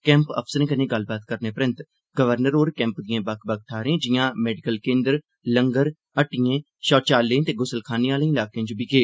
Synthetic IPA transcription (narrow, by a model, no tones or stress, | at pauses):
kɛ̃ːmpə̰pʰsəɾẽːkənẽːɡəlbaːt̪kəɾneːpəɾə̃nt̪ | ɡəʋəɾnəɾoːɾkɛ̃ːmpd̪ijãːbəkʰbək̚t̪ʰaːɾẽːd͡ʒɪjãːmɛːɖɪkəlkẽːnd̪əɾ | ləŋɡəɾ | əʈɪjẽː | ʃɔːt͡ʃaːlːẽːt̪eːɡʊsəlkʰaːneːaːlẽːɪlaːkeãːd͡ʒobikeː